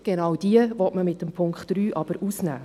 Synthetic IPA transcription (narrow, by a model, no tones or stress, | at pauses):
ɡ̥enɑwd̥iəvɔtməmɪtəmpʰʊŋkχtd̥ɾyːʔɑb̥əɾʔusnæ̰ː